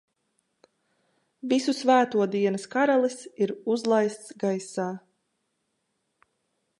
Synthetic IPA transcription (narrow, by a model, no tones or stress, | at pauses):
visusvæːt̪uɔd̪iɛnəskaɾalˠisiɾuzlˠajst̪sɡajsaː